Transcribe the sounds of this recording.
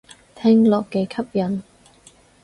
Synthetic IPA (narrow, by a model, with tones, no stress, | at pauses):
t̪ʰɛ˥ŋlɔː˨˩kːɛː˧kʰɐ˥p̚jɐ˨˩n